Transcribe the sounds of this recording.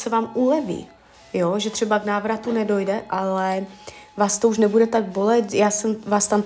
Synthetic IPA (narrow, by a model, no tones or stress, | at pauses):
sɛvaːmʔulɛvḭː | joʒɛt̪r̝̥ɛbaknaːvɾat̪unɛdo̞jdɛʔalɛvaːst̪ouʃnɛbudɛt̪aɡ̚bo̞lɛt̪jaːsɛmvaːst̪am